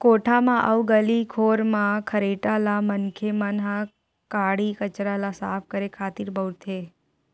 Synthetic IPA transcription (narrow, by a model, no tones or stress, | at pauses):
koʈʰamãʔə̰ʋuɡəlikʰoɾmãkʰəɾeʈalamənkʰemanɦã | kaɽikət͡ʃɾalasa̰p̚ʰkəɾekʰaːt̪iɾbʱəwɾt̪ʰe